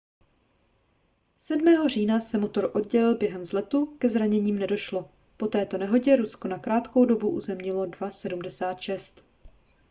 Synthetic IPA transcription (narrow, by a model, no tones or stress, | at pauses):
sɛdmɛːɦo̞r̝iːnasɛmo̞t̪o̞ɾʔo̞dɟɛlɪlbjɛɦɛmzlɛt̪ukɛzɾaɲɛɲiːmnɛdo̞ʃlo | po̞t̪ɛːt̪o̞nɛɦo̞ɟɛɾusko̞nakɾaːt̪ko̞wdo̞buʔuzɛmɲɪlo̞dvasɛdumdɛsaːt̪ʃɛst̪